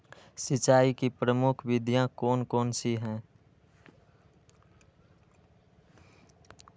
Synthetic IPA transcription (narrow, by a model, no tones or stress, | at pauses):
sɪt͡ʃaːikipɾəmʊkʰʋɪd̪ʱjãkɔːnkɔːnsiɦɛ̃ː